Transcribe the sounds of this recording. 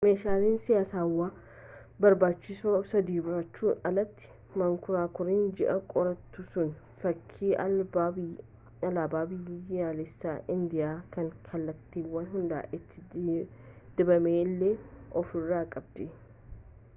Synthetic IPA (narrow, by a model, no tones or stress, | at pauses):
me̞ːʃaːliːnsɪjaːsaːwːaː | bɐɾbaːt͡ʃːɪsoːsɐd̪iːbʊɾɐt͡ʃːuːnɐlɐt̪ːɪ̥ | mɐŋkʊɾaːkʊɾɪnd͡ʒɪʔɐkʼɔɾɐt̪ːʊsʊn | fɐkʰːiːʔɐ | ɐlaːbaːbɪjaːlɛsːaːʔɪnd̪ɪjaːkɐŋkʰɐlːɐt̪ːiːwːɐnɦʊnd̪a̰ːʔɪt̪ʰːɪ̥ | d̪̥ɪbɐmeːlːeːʔɔfɪrːaːkʼɐb̚d̪̥ɛ